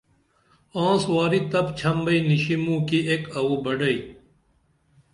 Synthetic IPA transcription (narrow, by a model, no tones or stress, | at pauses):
ãːswaːɾit̪ɐbt͡ɕʰɐmbɐiniɕimũːkiekɐwubɐɖɐi